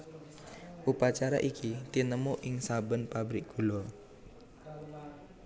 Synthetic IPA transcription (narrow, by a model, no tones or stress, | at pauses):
ʔupat͡ʃaɾa̰ʔikʰit̪inəmuʔɪŋsabənpabɾɪk̚ɡ̥ulʊr